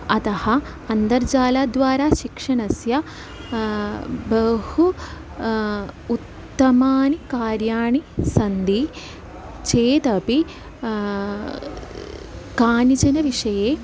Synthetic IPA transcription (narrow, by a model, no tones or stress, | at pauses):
ɐt̪ɐhɐ | ɐnd̪ɐɾd͡ʒaːlaːd̪ʋaːɾaːʃikʂɐɳɐsjɐ | bɐhu | ut̪ːɐmaːnikaːɾjaːɳisɐnd̪i | t͡ʃeːt̪ɐpi | kaːnit͡ʃɐnɐʋiʂɐjeː